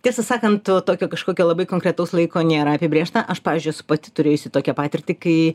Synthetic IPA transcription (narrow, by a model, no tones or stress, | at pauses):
tʲiɛsɐsɑːkɐnt̪ot̪oːkʲoːkɐʃkoːkʲoːlˠɐbɐɪkoːŋkɾʲɛt̪ɐʊslˠɐɪkoːnʲeːɾɐɐpʲɪbʲɾʲeːʃt̪ɐʔɐʃpɑːʋʲɪːzʲd͡ʒʲʊjsʊ̥pɐt̪ʲɪt̪ʊɾʲeːjʊsʲɪt̪oːkʲɛpɑːt̪ʲɪrʲt̪ʲɪkɐɪ